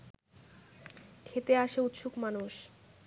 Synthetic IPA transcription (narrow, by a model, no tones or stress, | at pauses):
kʰet̪eaʃeut̪ʃukmanuʃ